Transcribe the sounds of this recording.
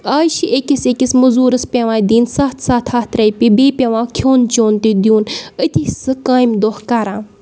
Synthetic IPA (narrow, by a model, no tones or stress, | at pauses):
aːʃiʔekisekʲismɐzuːɾɨspʲeʋãːd̪iːnsaːt̪ʰsaːt̪ʰaːt̪ʰɾɐjpʲibeːpʲeʋãːkʰoːnt͡ʃoːnt̪id̪iuːnət̪ʲisɨkaːjmd̪ohkaːɾãː